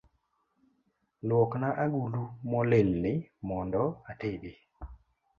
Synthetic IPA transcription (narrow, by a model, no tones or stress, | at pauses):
lwɔknaʔaɡulumɔlelːɪmɔndɔatebi